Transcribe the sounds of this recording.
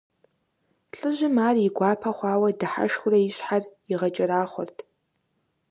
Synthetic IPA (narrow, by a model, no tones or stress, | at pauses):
ɬʼɨʒɪmaːriɡʷaːpʰɐχʷaːwɐdaħa̰ʃxʷʊraiɕħariʁɐt͡ʃʼɐɾaːχʷʊ̰rtʰ